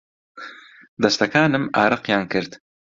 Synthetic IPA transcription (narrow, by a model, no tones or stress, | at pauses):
d̪ɐst̪ɐkɑːnɨmɑːɾɨqjɑːnkɨɾd̪